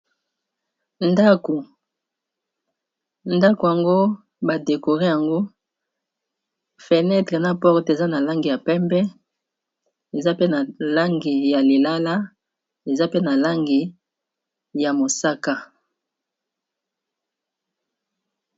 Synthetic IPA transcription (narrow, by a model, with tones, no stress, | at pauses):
nda˦ko˨ | nda˦ko˨ja˨ŋɡo˦ | ba˨de˨ko˨ʁe˦ja˨ŋɡo˦ | fe˨nɛ˦tʁe˨na˦pɔ˦ʁte˨za˦na˨la˦ŋɡi˨ja˨pɛ˦mbɛ˦ | e˨za˦pe˦na˨la˦ŋɡi˨ja˨le˨la˦la˦ | e˨za˦pe˦na˨la˦ŋɡi˨ | ja˨mo˨sa˦ka˦